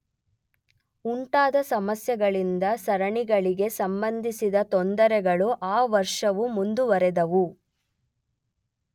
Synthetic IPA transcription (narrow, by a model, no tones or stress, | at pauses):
uɳʈaːd̪ɐsɐmɐsjɐɡɐɭind̪ɐsɐɾɐɳiɡɐɭiɡe̞sɐmbɐnd̪ʱisid̪ɐt̪ɔnd̪ɐɾɛɡɐɭuʔaːʋɐɾʂɐʋumund̪uʋɐɾɛd̪ɐʋu